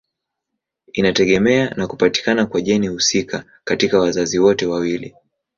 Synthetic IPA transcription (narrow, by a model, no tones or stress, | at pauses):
inatɛɠɛmɛanakupati̥kanakwaʄɛnihusika | katikawazaziwɔtɛwawili